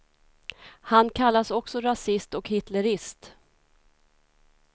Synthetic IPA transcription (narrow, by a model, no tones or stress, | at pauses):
hankʰalːasɔksɔɾasɪst̪ɔkhɪt̪lɛɾɪst̪